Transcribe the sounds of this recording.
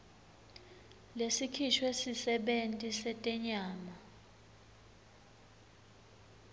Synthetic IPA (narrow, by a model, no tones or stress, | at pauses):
lesikʰiʃʰwesisɛɓentʼisɛtʼɛɲaːma